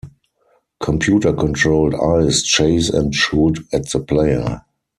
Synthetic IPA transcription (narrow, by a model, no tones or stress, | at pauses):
kʰɔ̃mpʰjuːtə˞kʰɔ̃ntʰɹoʊlda̰ɪst͡ʃeɪsɛ̰̃ntʃuːtɛtð̥əpʰleɪə̰˞